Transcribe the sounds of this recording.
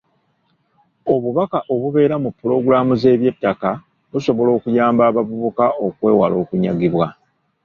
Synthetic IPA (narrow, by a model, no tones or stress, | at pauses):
o̞βuβakaʔo̞βuβe̞ːɾamupːuɾo̞ɡuɾaːmuze̞ːβje̞tːaka | βuso̞βo̞lo̞ːkujaːmbaːβavuβukao̞kwe̞ːwalo̞ːkuɲa̰ɡiβwa